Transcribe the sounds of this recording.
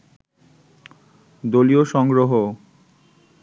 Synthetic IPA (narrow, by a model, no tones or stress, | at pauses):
d̪olioʃɔŋɡɾoɦo